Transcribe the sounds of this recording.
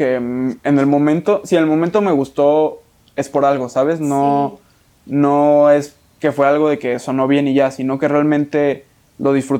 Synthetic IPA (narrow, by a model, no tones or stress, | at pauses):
eenelmõ̞mẽnt̪o̞sienelmomẽnt̪o̞me̞ɣ̞ust̪o̞ | e̞spo̞ɾalɣo̞saβ̞e̞sno̞ | no̞e̞s | ke̞fwe̞alɣo̞ðe̞ke̞so̞no̞β̞je̞niʝasino̞ke̞realmẽnt̪e̞ | lo̞ðisfɾut̪